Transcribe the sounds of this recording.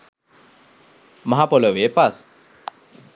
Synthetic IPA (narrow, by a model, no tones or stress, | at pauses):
maɦapoləʋepas